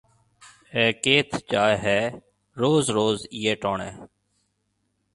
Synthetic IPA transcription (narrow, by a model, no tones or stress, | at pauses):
ɛːkeːt̪ʰt͡ʃaːeɦɛː | ɾoːzɾoːziːeːʈoːɳɛː